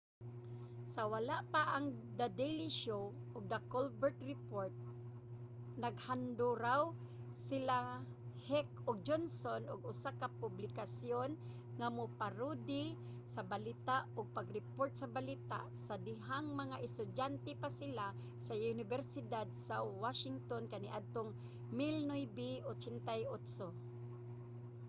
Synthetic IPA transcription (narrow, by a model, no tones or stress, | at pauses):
sawalaʔpaʔaŋd̪ad̪ejliʃowʔʊɡ̚d̪akolbɛɹt̪ɾɪpoɹt̪̚ | naɡhand̪ʊɾaw | sɪla | hɛkʊɡ̚d͡ʒonsonʊɡʊsakapʊblɪkasjon | ŋamʊpaɾud̪ɪ | sabalit̪aʔʊɡ̚paɡɾɛpoɾt̪̚sabalit̪a̰ʔsad̪ɪɦaŋmaŋaʔɪst̪ʊdjant̪ɛpasɪla | saʊnɪbɛɾsɪd̪ad̪̚sawaʃɪŋt̪onkaniʔad̪̚t̪oŋ | mɪlnojbiʔot͡ʃɛnt̪ajʔot̪so